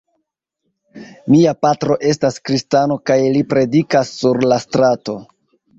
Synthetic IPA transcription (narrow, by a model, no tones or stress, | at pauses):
miapatɾo̞ʔe̞staskɾistano̞kajlipɾe̞dikasːuɾlastɾato̞